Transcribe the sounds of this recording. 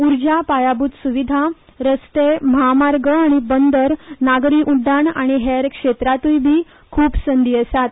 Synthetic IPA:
uɾd͡ʑapajabut̪suʋid̪ʱa | ɾəst̪eməɦamaɾɡəaɽ̃ibənd̪əɾnaɡɾiːʔuɖ̪ʱːaɳa̰ɽ̃iɦeɾkʂet̪ɾat̪ujbʱiː | kʰuːpsənd̪iəsat̪̚

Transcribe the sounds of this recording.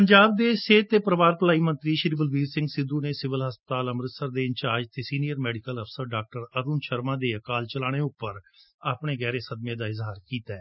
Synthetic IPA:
pəɲd͡ʒaːb̚d̪eːseːt̪ːeːpəɾəʋaːɾpəlaːiːmə̃nt̪ɾiːʃɾiːbəlʋiːɾsɪ̃ŋɡsɪd̪uːneːsɪʋəlɦəspət̪aːləmɾət̪səɾd̪eːɪɲt͡ʃaːd͡ʒt̪ʰeːsiːnijəɾmɛːɖɪkələfʰsəɾɖaːk̚ʈəɾəɾuːnʃəɾmãːd̪eːəkaːlt͡ʃəlaːɽ̃eːʊpːəɾaːpɳ̃eːɡɛːɾeːsəd̪mjẽːd̪aːɪzɦaːɾkiːt̪aɛː

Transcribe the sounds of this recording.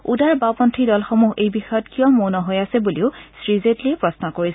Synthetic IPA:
udaɹbapɔntʰidɔlxomuɦejbixɔjɔtkijɔmonɔɦojasɛbuliʊsɹizetlijɛpɹɔsnɔkoɹis

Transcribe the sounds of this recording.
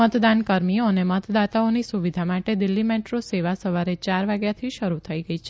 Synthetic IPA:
ət̪d̪ankəɾmioənemət̪d̪at̪aonisuʋid̪ʱamaʈed̪ɪlːimeʈɾoseʋasəʋaɾet͡ʃaɾʋaɡjat̪ʰiʃəɾut̪ʰəiɡəit͡ʃʰe

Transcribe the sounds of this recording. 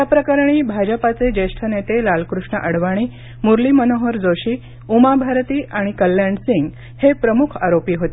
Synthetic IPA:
apɾəkaɾɳ̃iːbʱad͡ʑəpat͡sed͡ʑeʂʈʰənet̪elalkɾuʂɳə̰ʔəɽʋaɽ̃iː | muɾlimənoɦəɾd͡zoɕiː | umabʱaɾt̪iːʔaɽ̃ikəlːjaɳɖsĩŋɡ | hepɾəmukʰa̰ɾopiːɦot̪i

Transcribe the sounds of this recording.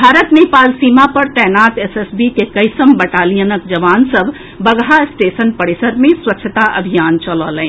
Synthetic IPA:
bʱaːɾət̪neːpaːlsiːmapɐɾt̪ɛːnaːt̪esesbikekɐɪsəmbɐʈaːlijənək̚d͡ʒɐʋaːnsɐbʱ | bɐɡɦaɪsʈeːsənpɐɽesəɾmẽswɐtːʃʰət̪aʔɐ̰bʱijaːnt͡ʃəlɔːləẽː

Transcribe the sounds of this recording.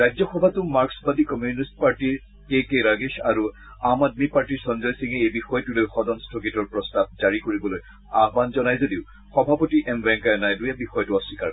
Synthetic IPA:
ɹajzɔxɔbʱatʊmaɹksbadikɔmjunist̚paɹtiɹ | kekeɹaɡeʃaɹu | amad̚mipaɹtiɹsɔnzɔjsiŋɛejbixɔjtulojxɔdɔnstʰɔkitɔɹpɹɔstab̚zaɹikoɹibɔloj | aɦbanzɔnajzodiʊ | xɔbʱapotiʔɛmbɛŋkajɔnajdujɛbixɔjtʊɔsika

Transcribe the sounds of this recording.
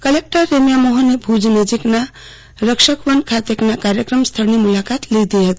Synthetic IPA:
kəlek̚ʈəːemjamɔɦənebʱud͡ʒnəd͡ʒikna | ɾəkʃəkʋənkʰat̪eknakaɾjəkɾəmst̪ʰəɾnimulakat̪lid̪ijət̪

